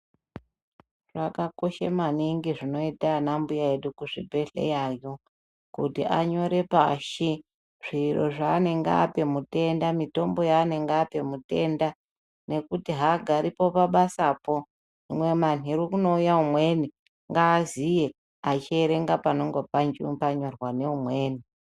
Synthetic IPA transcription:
ʐ̥akako̞ʃemaniŋɡiʐino̞itanambujaeɗukuʐḭbʱe̞ɬḛjaːjo | kutiʔaɲo̞ɾe̞paʃi | ʐ̥iro̞̰ʐaːne̞ŋɡa̰ːpe̞mute̞ndamito̞mbo̞jaːne̞ŋɡaːpe̞mute̞nda | ne̞kutiɦaɡʱaɾipo̞paɓasapo̞ | imwe̞maniɾukuno̞ujaumwe̞ni | ŋɡaːzije̞ | at͡ʃieɾe̞ŋɡapano̞ŋɡo̞pand͡ʒipaɲo̞rwane̞umweːni

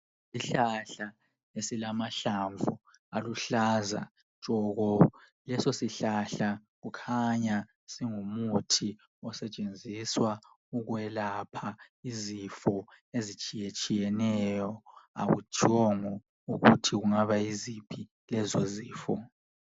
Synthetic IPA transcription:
siɬaɬa | esilamaɬaɱvu | aluɬaza̰̥ | t͡ʃʼɔɣɔ | lɛsosiɬaɬaɣukʰaɲa | siŋumutʰi | ɔsɛt͡ʃʼend͡zʱiswa | uɣwɛlapʰaizifɔ | ezit͡ʃʼijɛt͡ʃʼijɛnɛjɔa̰ɣṵt͡ʃʼiɔŋɔ | uɣutʰiɣuŋaβaizipʰi | lɛzɔziːfɔ

